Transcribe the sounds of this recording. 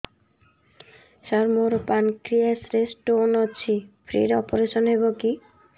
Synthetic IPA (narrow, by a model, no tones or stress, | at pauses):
ʃaɾmoɾpankɾiasɾesʈonot͡ɕʰipʰɾḭɾɔpoɾeʃɔnɦeboki